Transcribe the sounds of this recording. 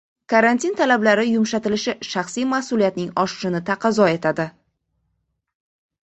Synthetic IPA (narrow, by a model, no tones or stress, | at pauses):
kʰaɾant̪ʰint̪ʰalablaɾɪjʊmʃat̪ɪlɪʃɪʃɑχsijmasʊlijat̪nɪŋɒʃɪ̥ʃɪnɪt̪ʰaqʰɑzɒe̞t̪ʰad̪ɪ